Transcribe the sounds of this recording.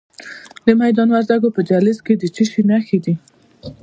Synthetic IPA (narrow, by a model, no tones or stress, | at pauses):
d̪əmajd̪ɑnwaɾd̪aɡopəd͡ʒalɪzked̪ət͡ʃəʃinaxed̪i